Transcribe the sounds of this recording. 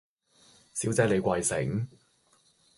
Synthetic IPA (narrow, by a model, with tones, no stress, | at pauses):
siː˨˥wt͡sɛː˨˥le˨˧jkʷɐ˧jsɪ̰˨˩ŋ